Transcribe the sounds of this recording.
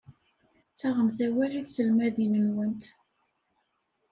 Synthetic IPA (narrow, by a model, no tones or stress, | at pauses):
t͡sːæʁəmθæwæliðsəlmæðinənwənt̪